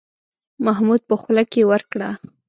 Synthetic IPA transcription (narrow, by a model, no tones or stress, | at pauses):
maɦmud̪̚pəxlakewəɾkɽa